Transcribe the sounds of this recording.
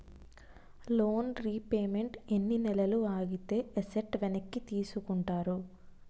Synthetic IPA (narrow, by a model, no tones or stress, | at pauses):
loːnɾiːpe̞ːme̞ɳʈenːinɛlɐluaːɡit̪e̞ːʔeseʈʋenɐkːit̪iːsukuɳʈaːɾu